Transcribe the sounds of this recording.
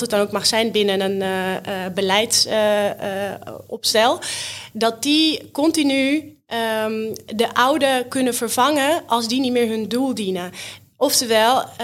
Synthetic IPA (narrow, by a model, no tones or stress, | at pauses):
tət̚dɔnoːkmaxsɛjnbɪnənən | bəlɛjts | ɔpstɛlˠdɔt̚dikɔntiny | dəʔawdəkønəfərfaŋəʔɔlˠsdinitmɪːɹɦøndulˠdinə | ɔftəʋɛlˠ